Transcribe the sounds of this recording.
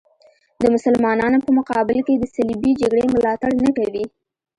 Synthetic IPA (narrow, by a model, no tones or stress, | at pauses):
d̪əmʊsalmɑnɑnopəmʊqɑbɪlked̪əsalibid͡ʒaɡɽemʊlɑt̪aɽnakawi